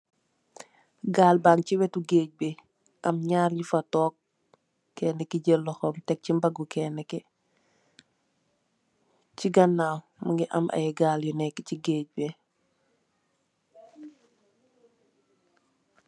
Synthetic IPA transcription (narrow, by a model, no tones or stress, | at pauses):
ɡaːlbaŋciwɛtuɡeːc̚be | ʔɐmɲaːɾjifɐtɔːk̚ | kːɛːnːɛkiɟəlːɔxɔmtɛk̚cimbɐɡukɛːnːɛkɛ | ciɡɐnːaːw | muŋɡiʔɐ̰mʔɐ̰jɛɡaːljɔnɛkːciɡeːc̚be